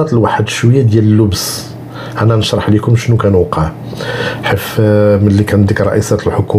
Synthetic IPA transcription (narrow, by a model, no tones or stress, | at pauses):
ɑt̪əlwaħəd̪ʃwəjːæd̪jæləlːʊbs | ʔænːænəʃɾˤɑħlikʊmʃnukænuqʰəʕ | ħifməlːikænd̪ikɾˤɑʔisæt̪əlħoku